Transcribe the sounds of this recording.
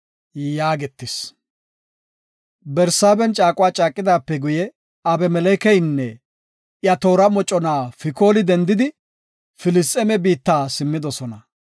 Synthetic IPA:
jaːɡɛt̪ːɪs | bɛɾsaːbɛnt͡ʃʼaːkʼʊwaːt͡ʃʼaːkʼːɪd̪aːpːɛɡʊjɛ | ɐbɛmɛlɛkɛjnːɛ | jɐt̪o̞ːɾɐmɔt͡ʃʼːɔnaːfɪko̞ːlɪd̪ɛnd̪ɪd̪ɪ | fɪlɪst̪ʼːɛmɛbiːt̪ːaːsɪmːɪd̪ɔsɔnɐ

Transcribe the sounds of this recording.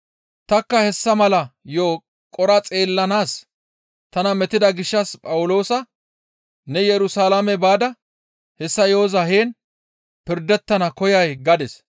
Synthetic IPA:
t̪ɐkːɐhɛsːɐmɐlɐjoː | kʼɔɾɐt͡sʼe̞ːlːɐnaːs | t̪ɐnɐmɛt̪ɪd̪ɐɡɪʃːɐspʼɐwʊlo̞ːsɐ | nɛjɛɾʊsaːlamɛbaːd̪ɐ | hɛsːɐjo̞ːzɐheːn | pɪɾd̪ɛt̪ːɐnɐkɔjɐjɡɐd̪ɛs

